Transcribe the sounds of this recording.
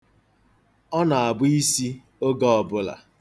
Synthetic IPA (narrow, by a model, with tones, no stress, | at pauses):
ɔ˦na˨a˨bʊ˦i˦si˦ | o˦ɡɔ˦ɔ˨bʊ˦la̰˨